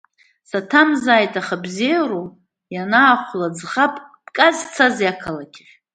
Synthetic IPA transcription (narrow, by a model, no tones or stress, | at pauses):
satʰamzaːjtʼaχabzijaɾo | janaːχʷlad͡zχapʼb̥kʼazt͡sʰazjakʰalakʲʰʼɪχʲ